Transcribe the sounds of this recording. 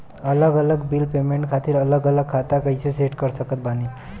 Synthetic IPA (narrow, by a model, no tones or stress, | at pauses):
ɐləɡələɡbilpeːmẽɳʈkʰaːt̪iɾələɡələɡ̚kʰːat̪akəiseseʈkəɾsəkət̪̚baːni